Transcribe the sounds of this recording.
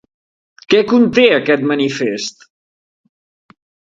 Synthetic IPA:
kɛkunt̪eəkɛt̪mənifest̪

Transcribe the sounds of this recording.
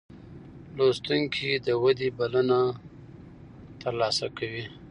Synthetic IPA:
lost̪uŋkʰid̪əwad̪ibaləna | t̪əɾlɑsakawi

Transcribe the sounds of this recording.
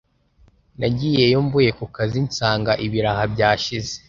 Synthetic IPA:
naɟije̞joːmbuje̞kukazint͡saːŋɡaʔiβiɾahabɟaːʃize̥

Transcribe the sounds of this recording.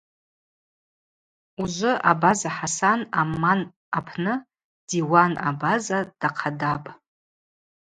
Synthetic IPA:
uʒʷʊʔabazaħasanaman | apʰnɨ | d̥iwana̰bazad̥aqʰadapʼ

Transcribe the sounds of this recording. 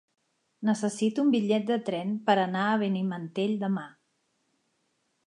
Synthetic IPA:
nəsəsit̪umbiʎɛt̪̚d̪ət̪ɾɛnpəɾənaəβ̞ənimənt̪eʎd̪əma

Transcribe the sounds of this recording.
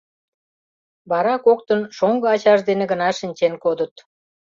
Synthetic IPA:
βɑɾɑkok̚t̪ənʃoŋɡɤɑt͡ɕɑʒd̪enĕɡə̆nɑʃinʲt͡ɕenkod̪ət̪

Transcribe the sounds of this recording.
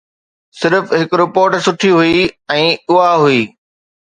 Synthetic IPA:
sɪɾfɦɪkɾɪpoːɾʈsʊʈʰiɦuiɛ̃ːʊaɦuiː

